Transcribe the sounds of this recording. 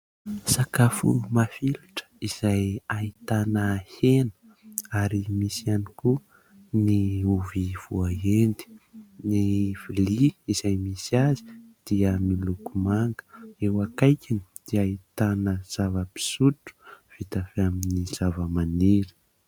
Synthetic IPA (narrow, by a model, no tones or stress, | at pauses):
sakafṵmafiluʈ͡ʂə̥iz̥ajait̪anəhenə̥ | aɾimisianiku | niuviv̥uaɦend̪i̥niv̥iliːzajmisiazi̥d̪̥iəmilukumaŋɡə̥ewakajkʲinid̪̥iait̪anəz̥avəpi̥suʈ͡ʂu̥v̥it̪afiaminiz̥avəmaneɾi̥